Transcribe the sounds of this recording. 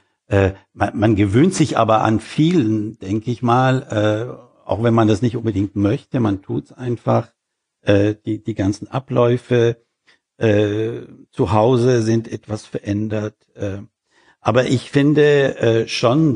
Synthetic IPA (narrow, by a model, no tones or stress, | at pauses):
ʔɛːmamanɡəvøːntz̥ɪçʔa̰ːbɐʔa̰nfiːlənd̥ɛŋkəɪçmaːlʔɛː | a̰ʊxv̥ɛnmandasnɪçtʔʊnbədɪŋk̚tmœçtəmantʰuːtsʔaɪnfaχ | ʔɛːd̥iːd̥iːɡant͡sn̩ʔa̰plɔʏfə | ʔɛːt͡suɦaʊzəzɪntʔɛtv̥asfɛɐʔɛndɐt | ʔɛː | ʔaːbɐʔɪçfɪndəʔɛːʃon